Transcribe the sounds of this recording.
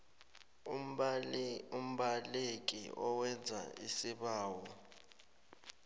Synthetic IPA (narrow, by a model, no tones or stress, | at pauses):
um̩ɓalek̬ʼḭɔwɛnd͡zʱa̰isiɓaːwɔ